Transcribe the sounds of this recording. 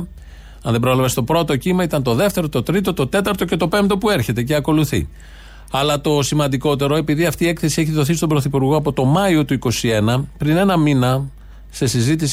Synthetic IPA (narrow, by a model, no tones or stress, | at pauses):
ɐnðebɾoelɐve̞st̪o̞pɾo̞t̪o̞cimɐit̪ɐnt̪o̞ðe̞ft̪e̞ɾo̞t̪o̞t̪ɾit̪o̞t̪o̞t̪e̞t̪ɐɾt̪o̞ce̞t̪o̞pe̞mt̪o̞pue̞ɾçe̞t̪e̞ceɐko̞luθḭ | ɐlɐt̪o̞simɐnd̪iko̞t̪e̞ɾo̞e̞piðiɐft̪iːekθe̞sie̞çiðo̞θist̪o̞mbɾo̞θipuɾɣo̞ɐpo̞t̪o̞mɐio̞t̪uiko̞sie̞nɐpɾine̞nɐminɐ | se̞sizit̪̬is